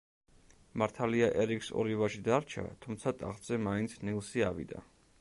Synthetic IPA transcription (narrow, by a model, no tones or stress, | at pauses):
maɾt̪ʰaliaʔɛɾikʰsɔ̰ɾivaʃid̪aɾt͡ʃʰa̰t̪ʰumt̪sʰat̪ʼa̰χz̥ɛmaint̪sʰnilˠsiavḭd̪a̰